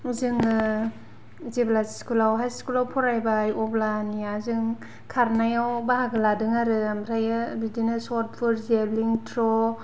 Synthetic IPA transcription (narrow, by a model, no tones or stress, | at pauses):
zɯŋ | zeblasskulawɦajskulawpʰɔɾajbajɔblaniazɯŋ | kʰaɾnajawbaɦaɡɯladɯŋaɾɯamɾajɯbidinasɔt̚pʰuɾzebliŋtʰɾɔ